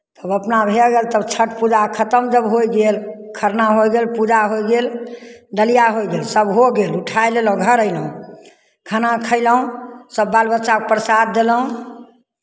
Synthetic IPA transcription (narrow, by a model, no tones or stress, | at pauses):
t̪əbəpnabʱeɡelt̪əbt͡ʃʰəʈpud͡ʒakʰət̪əmd͡ʒəbɦojɡelkʰəɾnaɦojɡelpud͡ʒaɦojɡelɖəlijaɦojɡelsəbɦoɡeluʈʰajleləũɡʱəɾəjləũ | kʰanakʰəɪləɦũsəbːalbətːʃakepɾəsat̪̚d̪eləɦũ